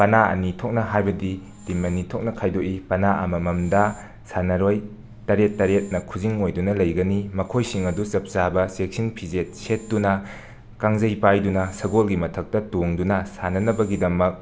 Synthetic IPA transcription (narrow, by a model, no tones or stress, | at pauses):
pɐnaɐ̰nitʰok̚nɐɦajbɐdi | dimɐnitʰok̚nɐkʰajdoʔipɐnaʔɐ̰mɐmɐmdɐ | sanɐɾoj | tɐɾetːɐɾet̚nɐkʰuziŋojdunɐlɐjɡɐnimɐkʰojsiŋɐdusɐp̚zabɐsek̚sinpʰizet̚set̚dunɐ | kaŋzɐjpajdunɐsɐɡolɡimɐtʰɐk̚tɐtoŋdunɐsanɐnɐbɐɡidɐmɐk̚